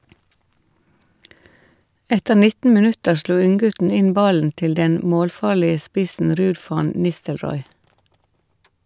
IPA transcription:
ˈɛtəɾ ˈnɪtn̩ mɪˈnʉtəɾ ˈsluː ˈʉŋˌɡʉtn̩ ˈɪn ˈbɑln̩ ˈtɪl ˈdɛn ˈmoːlˌfɑːɭɪə ˈspɪsn̩ ˈɾʉːd ˈfɑn ˈnɪstəlˌɾɔʏ

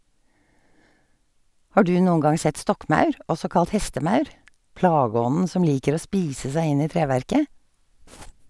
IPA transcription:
ˈhɑː ˈdʉː ˈnuːəŋ ˈɡɑŋ ˈsɛt ˈstɔkˌmɑʉɹ ˈʔɔsɔ ˈkɑlt ˈhɛstəˌmɑʉɹ ˈplɑːˌɡɔnn̩ ˈsɔm ˈliːkəɾ ˈoː ˈspiːsə ˈsæɪ ˈɪn ˈiː ˈtɾeːʋæɹkə

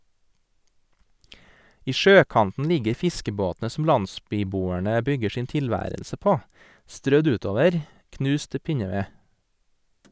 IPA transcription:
ˈiː ˈʃøːˌkɑntn̩ ˈlɪɡəɾ ˈfɪskəˌboːtnə sm̩ ˈlɑnˌsbyːˌbuːəɳə ˈbʏɡə ˈʃiːn tɪlˈʋæːɾəlsə ˈpoː ˈstɾœd ˈʉːˌtoːʋəɾ ˈknʉːs ˈtɪ ˈpɪɲəˌʋeː

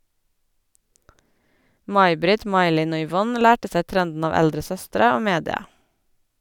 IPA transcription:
ˈmɑɪ ˈbɾɪt ˈmɑɪ ˈlɪn ˈoː ʏˈʋɔn ˈlæːʈə ˈsæɪ ˈtɾɛndn̩ ˈɑːʋ ˈɛldɾə ˈsœstɾə ˈoː ˈmeːdɪɑ

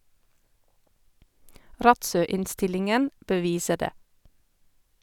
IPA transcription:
ˈɾɑtˌsœˌɪnˌstɪlɪŋən bəˈʋiːsəɾ ˈdeː

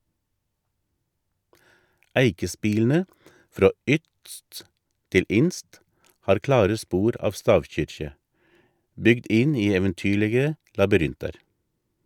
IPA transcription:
ˈæɪkəˌspiːln̩ə ˈfɾoː ˈʏtst ˈtɪl ˈɪnst ˈhɑːɾ ˈklɑːɾə ˈspuːɾ ˈɑʋ ˈstɑːʋˌçʏɾçə ˈbʏɡd ˈɪn ˈiː ɛʋənˈtyːɭəɡə lɑbʏˈɾɪntɑɾ

